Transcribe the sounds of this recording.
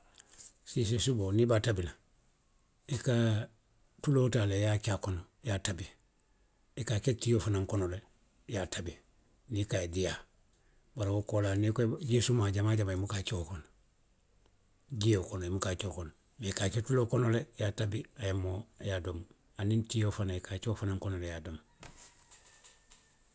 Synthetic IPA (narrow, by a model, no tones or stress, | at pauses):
sisisubonibatabina | ika | tulotalejat͡ʃakono | jatabi | ikaketijofanaŋkonole | jatʰabi | nikaedija | baɾawokolanikɟisumaɟamaːɟamaimukat͡ʃokon | ɟiokonoimukat͡ʃokon | mekaketulokonolejatabiajamːojadom | anintijofanaikat͡ʃoːfanaŋkonolejadom